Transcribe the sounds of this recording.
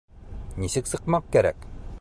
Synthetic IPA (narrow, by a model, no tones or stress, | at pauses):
ɲiɕək̚səqmɑq̚kːeɾɛ̰k̚